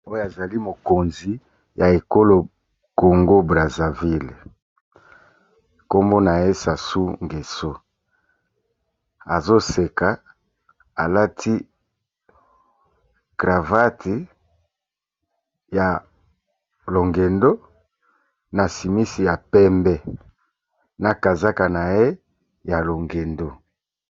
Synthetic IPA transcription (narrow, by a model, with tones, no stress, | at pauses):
o˦jo˦a˨za˨li˦mo˨ko˨nzi˨ | ja˨e˨ko˦lo˨ | ko˨ŋɡo˦bʁa˨za˨vi˦l | ko˦mbo˦na˨je˦sa˨su˦ŋɡe˨so˦ | a˨zo˦se˨ka˨ | a˨la˦tʰi˦ | ɡ̥ʁa˨va˦tʰi˨ | ja˨ | lo˨ŋɡe˨ndo˦ | na˨si˨mi˦si˨ja˨pɛ˦mbɛ˦ | na˨ka˨za˦ka˨na˨je˦ | ja˨lo˨ŋɡe˨ndo˦